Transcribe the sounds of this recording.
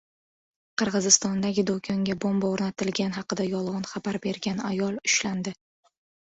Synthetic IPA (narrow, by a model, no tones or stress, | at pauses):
qʰɨɾʁɨzɪst̪ɒnd̪aɡʲɪd̪okʰɒŋɡʲabombaoɾnat̪ʰɪlɡʲanɦɑqɨd̪ajɒlˠʁɒnχɑbaɾbe̞ɾɡʲanajɒlˠʊʃland̪ɪ